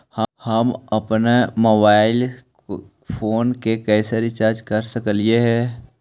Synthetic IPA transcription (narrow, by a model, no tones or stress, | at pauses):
həhɐmɐpnemoːbaːɪl | pʰoːnkekɛːseɾɪt͡ʃaːɾd͡ʒkɐɾsəkəlijeɦɛː